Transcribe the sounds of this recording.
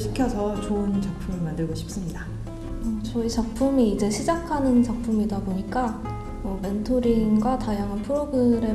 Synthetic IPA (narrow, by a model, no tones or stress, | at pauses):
ɕʰi̥kʰjʌsʰʌt͡ɕoɯnt͡ɕʌk̚pʰumemandɯɭɡoɕʰi̥p̚s͈ɯmɲida | ʌt͡ɕʌit͡ɕʌk̚pʰumiːd͡ʑe̞ɕʰid͡ʑakʰanɯnt͡ɕʌk̚pʰumidaboɲik͈a | mʌbe̞ntʰoɾiŋɡwatajaŋanpʰɯɾoɡɯɾe̞